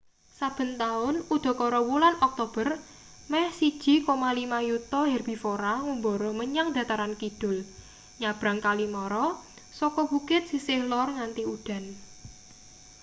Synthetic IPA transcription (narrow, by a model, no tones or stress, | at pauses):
sab̥ə̤nt̪aʊnud̪̥ɔ̤kɔɾɔwulanɔk̚t̪ob̥ər | mɛhsid̥ʒ̥i̤komalimajut̪ɔɦɛrb̥i̤foɾaŋumbɔɾɔməɲaŋd̪ä̤t̪aɾankid̥ʊ̤l | ɲab̥ɾa̤ŋkalimɔɾɔ | sɔkɔbukɪt̪̚sisɪhlɔrŋant̪iud̥a̤n